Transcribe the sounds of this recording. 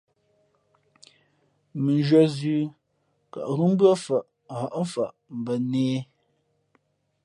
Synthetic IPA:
mɨ˨n˦d͡ʒɥa˦zʉː˦ | ka̰˨ʔɾu˦m˦bɰa˦fa˨ʔha˨ʔ̩˦fa˨ʔ | m̩˨bə˨neː˦

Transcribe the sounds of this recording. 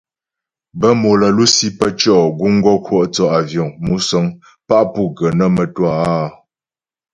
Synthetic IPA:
bə˦mo˨lə˨lu˦si˦pə˦t͡ʃɔ˦˨ɡu˦ŋ̩˦ɡɔ˦kʰwɔ˦˨ʔt͡sɔ˦ʔa˨vjɔ˨ŋmu˨˦sə˦ŋ | pa˦ʔpu˦˨ɡə˨nə˦mə˨twa˦˨˦

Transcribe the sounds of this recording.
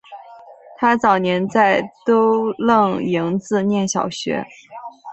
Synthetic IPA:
t̪ʰa˥t͡sɑ˨˩ʊnjɛ˧˥nt͡sa˥˩ɪt̪o˥ʊlɤ˥˩ŋi˧˥ŋt͡sɹ̩˥˧njɛ˥˩nɕjɑ˨˩ʊɕɥɛ̰˧˥

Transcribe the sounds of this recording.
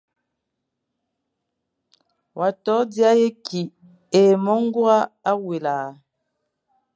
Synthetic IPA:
wʔa˨tɔ˨˦dja˦je˦ki˨ | e˨mɔ˦ŋ˦ɡu˦a˦a˦we˨la˨

